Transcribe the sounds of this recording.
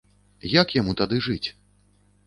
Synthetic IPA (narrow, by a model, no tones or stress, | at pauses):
jakjamut̪ad̪ɨʐɨt͡sʲ